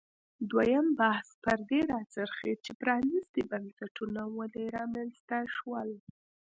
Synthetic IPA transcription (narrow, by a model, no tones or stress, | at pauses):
d̪wajambahspəɾd̪eɾɑt͡səɾxet͡ʃepɾɑnist̪ibansaʈʰunawəleɾɑmanst̪aʃwəl